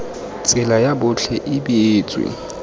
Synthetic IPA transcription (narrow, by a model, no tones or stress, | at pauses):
t͡sʼɪlajaɓʊɬʰɛʔiɓiːt͡sʼwḭ